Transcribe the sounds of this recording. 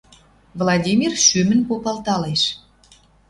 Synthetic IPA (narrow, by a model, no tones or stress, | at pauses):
vlˠɑdʲimʲirʃymə̆npopɑlˠt̪ɑleʃ